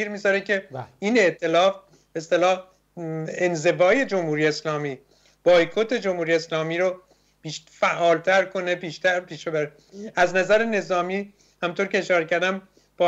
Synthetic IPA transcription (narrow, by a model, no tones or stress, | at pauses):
iːɾmiːzɒːɾecʰe̞iːne̞ʔt̪ʰe̞lɒːf | b̥eeːst̪e̞lɒːh | enze̞vɒːje̞d͡ʒo̞mhuːɾijeːslɒːmiː | b̥ɒːjkʰot̪ʰe̞d͡ʒo̞mhuːɾijeslɒːmiːɾo | b̥iːʃ | fæʔːɒːlt̪ʰæɾkʰo̞ne̞piːʃt̪æɾpʰiːʃebæɾe | æznæzæɾene̞zɒːmiː | hæmnt̪ʰoːɾcʰʲe̞ːʃɒːɾecæɾd̪æm | b̥ɒ